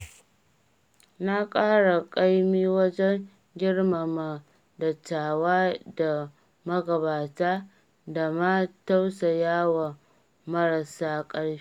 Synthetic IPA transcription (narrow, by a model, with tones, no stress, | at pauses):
na˦kʼaː˦ɽa˨kʼa˦jmiː˦wɐ˦d͡ʒɛ˦ŋ | ɡʲɪ˦ɽma˨ma˨ | dɐ˨tːaː˨waː˦da˨ | mɐ˦ɡɐ˨baː˨taː˦ | da˨ma˦ta˦wsa˨jaː˦wa˨ | mɐ˦ɾa˨saː˦kʼɐ˦ɽɸi̥˦